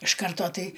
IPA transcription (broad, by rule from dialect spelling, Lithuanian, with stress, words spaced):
ɪʃ ˈkɐrtoː ˈtɐɪ